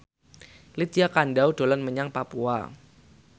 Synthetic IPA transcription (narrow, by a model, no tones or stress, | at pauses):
lit̪̚iakanɖawd̥o̤lɔnməɲaŋpapua̰